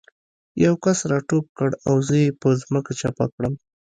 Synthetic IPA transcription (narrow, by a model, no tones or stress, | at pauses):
jawkasɾɑʈop̚kəɽawzəjepəzməkat͡ʃapa̰kɽəm